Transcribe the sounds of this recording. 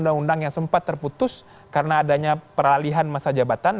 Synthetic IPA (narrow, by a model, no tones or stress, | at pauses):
ndaŋundaŋjaŋsəmpat̪ːərput̪ʊs | kaɾənaːdaɲapəraliɦanmasad͡ʒabat̪an